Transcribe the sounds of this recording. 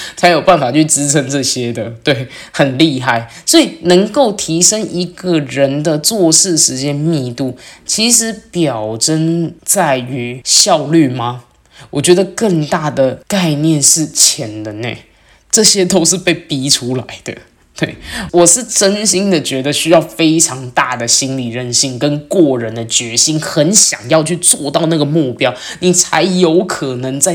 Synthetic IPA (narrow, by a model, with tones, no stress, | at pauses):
t͡sʰa˧˥ɪjo˨˩ʊpa˥˩nfa˨˩t͡ɕʰy˥˩ʈ͡ʂɻ̩˥ʈ͡ʂʰə˧˥ŋʈ͡ʂɤ˥˩ɕjɛ˥d̪ə˨t̪we˥˩ɪxə˨˩nli˥˧xa˥˩ɪ | swɔ˧˥i˨˩nə˧˥ŋko˥˩ʊt̪ʰi˧˥ʂə˥ŋi˧˥ɡə˨ɻə˧˦˥nd̪ə˧t͡swɔ˥˧ʂɻ̩˥˩ʂɻ̩˧˥t͡ɕjɛ˥nmi˥˧t̪u˥˩t͡ɕʰi˧˥ʂɻ̩˧˥pjɑ˨˩ʊʈ͡ʂə˥nt͡sa˥˩ɪy˧˥˦ɕjɑ˥˧ʊly˥˩ma˩ | wɔ˨˩t͡ɕɥɛ˧˥d̪ə˧kə˥˧ŋt̪a˥˩d̪ə˩ka˥˧ɪnjɛ˥˧nʂɻ̩˥˩t͡ɕʰjɛ˧˥nd̪ə˧nḛ˧˩ | ʈ͡ʂɤ˥˩ɕjɛ˥t̪o˥ʊʂ̬ɻ̩˥˧pe˥˩ɪpi˧˥ʈ͡ʂʰu˥la˨˧˥ɪd̪ə̰˧ | t̪we˥˩ɪwɔ˨˩ʂɻ̩˥˩ʈ͡ʂə˥nɕi˥ŋd̪ə˨t͡ɕɥɛ˧˥d̪ə˧ɕy˥jɑ˥˩ʊfe˥ɪʈ͡ʂʰɑ˧˥ŋt̪a̰˥˩d̪ə˩ɕi˥nli˨˩ɻə˥˧nɕi˥˩ŋkə˥nkwɔ˥˩ɻə˧˥nd̪ə˧t͡ɕɥɛ˧˥ɕi˥nxə˧˥nɕjɑ̰˨˩ŋjɑ˥˧ʊt͡ɕʰy˥˧t͡swɔ˥˧t̪ɑ˥˧ʊna˥˩ɡə˩mu˥˩pjɑ˥ʊni˨˩t͡sʰa̰˧˥ɪjo˧˥ʊkʰɤ˨˩nɤ˧˥ŋt͡sa˥˩ɪ